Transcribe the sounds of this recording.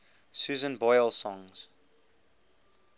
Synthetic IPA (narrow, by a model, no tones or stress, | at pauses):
suːzə̃nbɔɪlˠsɔ̃ŋz̥